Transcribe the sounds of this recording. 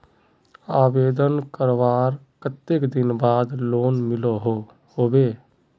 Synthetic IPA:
aːbeːd̪ənkəɾʋaːɾkət̪ːekd̪ɪnbaːd̪loːnmɪloɦo | hoːbeː

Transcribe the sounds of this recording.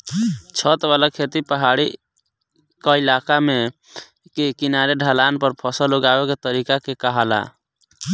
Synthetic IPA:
t͡ʃʰət̪balakʰet̪ipəɦaɽi | kəilakame | kekinaɾeɖʱalanpəɾpʰɔsəloɡabeket̪əɾikakekəɦala̰

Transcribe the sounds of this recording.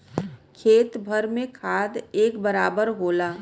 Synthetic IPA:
kʰeːt̪bʱəɾmẽkʰaːd̪eːkbəɾaːbəɾɦoːlaː

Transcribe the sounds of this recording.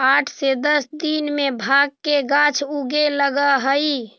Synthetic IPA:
aʈʰsed̪əsd̪inmebʱaɡ̚keɡat͡ʃʰuɡeləɡəɦəj

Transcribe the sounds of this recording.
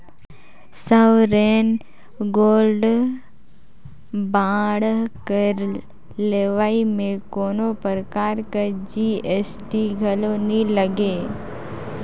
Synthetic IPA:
səʋɾeːn | ɡoːlɖ | baːɽkəɾ | leːʋaːimẽkoːnopəɾəkaːɾkad͡ʒiːesʈiɡʱəloniləɡeː

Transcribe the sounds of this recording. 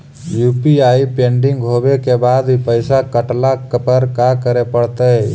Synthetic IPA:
juːpiaːipẽːɳɖɪ̃ŋɡɦoːbekebaːd̪pəɪsakəʈlakpəɾkakəɾepəɽ̤t̪əe

